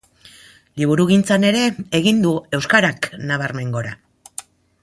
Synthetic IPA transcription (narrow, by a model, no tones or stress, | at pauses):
liβ̞uɾuɣ̞int͡sane̞ɾe̞ːɣind̪ue̞wskaɾaknaβ̞aɾme̞ŋɡo̞ɾa